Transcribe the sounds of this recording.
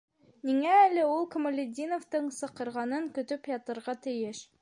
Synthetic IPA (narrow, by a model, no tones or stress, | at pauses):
niŋæːlɘulˠkŏmolʲɪdʲinoft̪ɤɴsɤ̆qɤ̆ɾʁɑnɤŋkɵ̆t̪ɵpjɑt̪ɤ̆ɾʁɑt̪ɘ̆jɘʃ